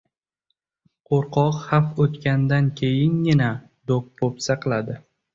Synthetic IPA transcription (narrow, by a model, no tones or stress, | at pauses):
qʰoɾqʰɒqhafot̪kʲand̪ankʲʰejɪnjʲɪna | d̪ok̚pʰopsaqɨlˠad̪ɪ